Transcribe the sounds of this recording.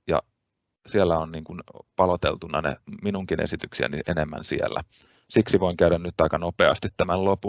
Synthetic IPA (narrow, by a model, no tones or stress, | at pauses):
jɑ̰ | sielːæonniːŋkunpɑlot̪ḛlt̪unːɑnḛminuŋkinḛsit̪yksiæ̰niʔenemːæ̰nsiḛlːæ | siksiʋoiŋkæyɾænnyt̪ːɑikɑnopeɑ̰st̪it̪t̪æmællopu